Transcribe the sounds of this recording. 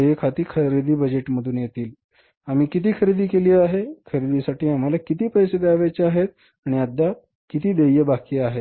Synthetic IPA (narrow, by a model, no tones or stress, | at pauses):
jəkʰat̪iːkʰəɾid̪iːbəd͡ʑeʈməd̪ʱuːnjet̪iːl | am̤iːkit̪̬iːkʰəɾid̪iːkeliːaɦekʰəɾid̪isaʈiːam̤alakit̪iːpəjsed̪aʋat͡ɕeaɦet̪ | aɽ̃iad̪ʱːa | kit̪iːd̪ejəbakiːaɦe